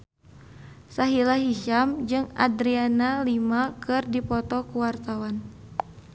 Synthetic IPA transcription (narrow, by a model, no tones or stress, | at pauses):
saɦilaɦiʃamd͡ʒɨŋa̰dɾianalimakɨrdipɔt̪ɔkuwart̪awan